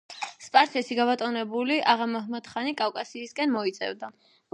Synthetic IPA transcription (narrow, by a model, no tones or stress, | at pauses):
spʼaɾsʰɛsiɡabat̪ʼɔnɛbuliʔaʁamɔɦmat̪χanikʼafkʼasiːskʼɛnmɔit̪sʼɛ̰vd̪a